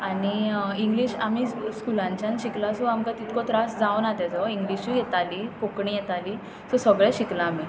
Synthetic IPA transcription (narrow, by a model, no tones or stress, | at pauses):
aniiŋɡliɕam̤iskulãɲt͡ɕjãnɕiklasɔamkat̪it̪kɔt̪ɾasd͡zaʋnat̪ɛd͡zɔiŋɡliɕijɛt̪alipokɳijet̪ali | sɔsəɡɭɛɕiklaːm̤i